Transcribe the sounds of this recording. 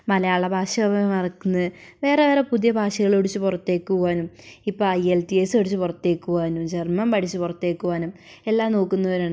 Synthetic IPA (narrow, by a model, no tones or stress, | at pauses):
mɐlɐjaːɭːɐbʱaːʂɐmɐmɐrɐkːunːɐðɨʋe̞ːreʋeːɾepuðijɐbʱaːʂɐɣɐɭoɽit͡ɕːɨpurɐt̪ːe̞ːkːuaːnumipːoːɭɐjelt̪iesoɽut͡ɕːupurɐt̪ːe̞ːkːuʋaːnumt͡ɕermɐmpɐʈʰit͡ɕːupurɐt̪ːe̞ːkːuʋaːnum | e̞lːaːmno̞ːkːunːɐʋoɾaːɳ